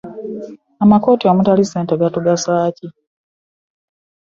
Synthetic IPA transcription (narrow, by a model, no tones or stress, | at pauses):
amako̞ːtiamutaliseːnteɡatuɡasaːci